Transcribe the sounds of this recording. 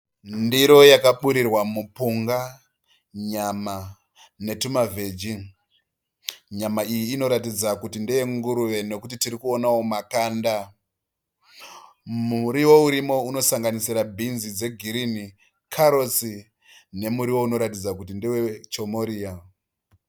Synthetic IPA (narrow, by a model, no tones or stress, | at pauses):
ndiɾo̞jakaɓuɾirwamupuŋɡa | ɲama | ne̞tumave̞d͡ʒiŋ | ɲamaijiːno̞ɾatid͡zakutindijeŋɡuɾuʋe̞no̞kutitiɾikuo̞nawomakaːnda | muɾiwo̞uɾimo̞uno̞saŋɡanisirabʱinzid͡ze̞ɡʱiɾini | kʰaɾo̞t͡si | ne̞muɾiwo̞uno̞ɾatid͡zakutindiwe̞t͡ʃo̞moɾiːa